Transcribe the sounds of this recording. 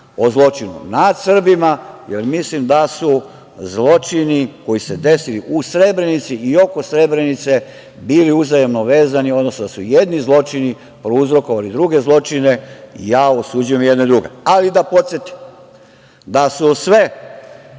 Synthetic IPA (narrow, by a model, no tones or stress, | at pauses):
o̞zlˠo̞t͡ʃinṵnad̪sr̩bimajeɾmislimd̪asu | zlo̞t͡ʃiniko̞jise̞d̪e̞siliʔusɾe̞bɾe̞nit̪siio̞kosɾe̞bɾe̞nit̪se̞ | biːliuzajemnoʋe̞ːzanio̞d̪nosnod̪asuje̞d̪nizlˠo̞t͡ʃini | pɾouzɾo̞ko̞ʋalid̪ɾuɡe̞zlˠo̞t͡ʃine̞ijaːosud͡ʒuje̞mjed̪ned̪ɾuɡe̞̰alid̪apo̞t̪sjet̪i̥m | d̪asusʋe̞